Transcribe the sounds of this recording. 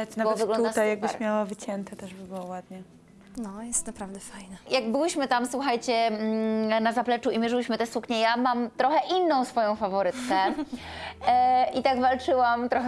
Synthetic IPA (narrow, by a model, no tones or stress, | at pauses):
ɛnabɔɛvɨɡlɔnuat̪ajjaɡ̚bɘɾɕmʲjawavɘt͡ɕɛnt̪ɛt̪ɛʐbɛbɘwɔwad̪ɲɛ | nɔjɛst̪napɾavd̪ɛfajnɛjaɡbɘwɘɕmɘt̪amswuxajt͡ɕɛ | nazaplɛt͡ʂuimʲjɛʐɨwɘɕmɘt̪ɛsukɲɛjamamt̪ɾɔxɛʔinːɔ̃w̃sfɔjɔ̃w̃favɔɾɘt̪kɛ | ʔit̪aɡvalt͡ʂɘwamt̪ɾɔx